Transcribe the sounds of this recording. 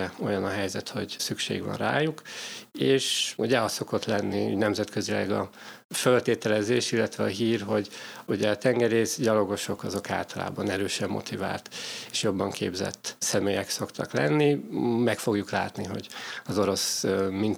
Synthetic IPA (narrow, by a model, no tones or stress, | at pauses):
ɛo̞jɒnɒɦɛjzɛt̪ho̞̰ɟsykʃḛːɡʋɒ̰nra̰ːjukeːʃuɟɛɒsso̞ko̞t̪lɛnːiṵɟnɛmzɛt̪køzilɛ̰ɡɒfølt̪eːt̪ɛlɛzeːʃilːɛt̪ʋɛɒɦiːrɦo̞ɟuɟɛɒt̪ɛŋɡɛɾeːzɟɒlo̞ɡo̞ʃo̞kɒzo̞ka̰ːlt̪ɒla̰ːbɒnɛɾøːʃɛmːo̞̰t̪ʰiva̰ːlt̪e̥ʃjo̞bːɒŋkʰḛːbzɛ̰t̪ːsɛmeːjɛkso̞kt̪ʰɒklɛ̰nːimɛkfo̞ɡjukla̰ːt̪niɦo̞̰ɟɒzo̞ɾo̞smin